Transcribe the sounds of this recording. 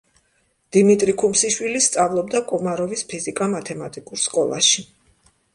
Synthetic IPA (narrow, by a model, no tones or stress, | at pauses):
d̪̥imit̪ʼɾikʰumsiʃwilist̪sʼavlˠɔbd̪akʼumaɾɔvispʰizikʼamat̪ʰɛmat̪ʼikʼuɾskʼɔlˠa̰ʃi